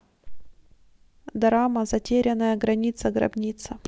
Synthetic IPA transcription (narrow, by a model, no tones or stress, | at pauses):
d̪ɐɾaməzɐtʲeɾʲɪnːəjəɡɾɐnʲit̪səɡɾɐ̰bnʲit̪sə